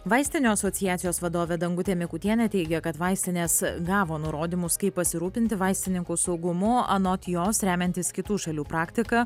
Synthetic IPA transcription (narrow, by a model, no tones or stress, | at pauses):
ʋɑɪsʲt̪ʲɪnʲoːɐsɔt̪sʲɪjæːt̪sʲɪjoːsʋɐd̪oːʋʲɛd̪ɐŋɡʊt̪ʲɛmʲɪkʊt̪ʲiɛnʲɛt̪ʲɛɪɡʲɛkɐt̪ʋɑˑɪsʲt̪ʲɪnʲeːsɡɑːʋoːnʊɾoːd̪ʲiːmʊskɐɪppɐsʲɪɾuːpʲɪnʲt̪ʲɪʋɑɪsʲt̪ʲɪnʲɪŋkusɒʊɡʊmʊɐnoːt̪ʲjoːsɾʲæːmʲɛnʲt̪ʲɪskʲɪt̪uːʃɐlʲuːpɾɑːkt̪ʲɪkɐ